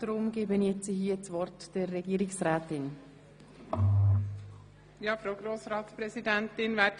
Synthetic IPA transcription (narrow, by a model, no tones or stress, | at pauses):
d̥ɾʊmɡ̥eːbənjɛt͡siɦiːət͡sʋɔrtd̥ɛrːɛɡiːɾɪksɾɛːtɪn | jɑːfɾoʊɡɾoːsɾɑːtspɾɛzidɛntɪnvɛːd